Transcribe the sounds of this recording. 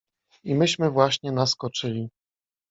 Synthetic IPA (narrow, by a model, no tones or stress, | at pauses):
imɘɕmɘvwaɕɲɛnaskɔt͡ʂɘlʲi